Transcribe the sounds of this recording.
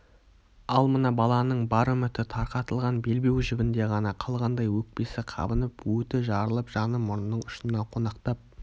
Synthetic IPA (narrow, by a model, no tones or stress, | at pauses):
ɑlˠmənɑbɑlˠɑnəɴbɑɾəmʏt̪ɪt̪ʰɑɾqɑt̪əlˠʁɑnbe̞lbe̞wʒɪbʲɪnd̪e̞ʁɑnɑqʰɑlˠʁɑnd̪ɑjwɵk̚pe̞sɪqʰɑ̰bənəpwɵt̪ɪʒɑɾəlˠəpʒ̥ɑnəmʊɾnːəɴʊʃnɑqʰo̞nɑqt̪ɑp̚